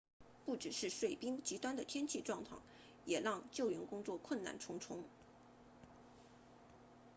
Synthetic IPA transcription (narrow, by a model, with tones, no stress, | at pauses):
pu˥˩ʈ͡ʂɻ̩˨˩ʂɻ̩˥˧ʂwe˥˩ɪpi˥ŋt͡ɕi˧˥t̪wa˥nd̪ə˨t̪ʰjɛ˥nt͡ɕʰi˥˧ʈ͡ʂwɑ˥˧ŋt̪ʰwɑ̰˥˩ŋ | jɛ˨˩lɑ˥˧ŋt͡ɕjo˥˩ʊjɛ˧˥nkʊ˥ŋt͡swɔ˥˧kʰwə˥˩nna̰˥˩nʈ͡ʂʰʊ˧˥ŋʈ͡ʂʰʊ˧˥ŋ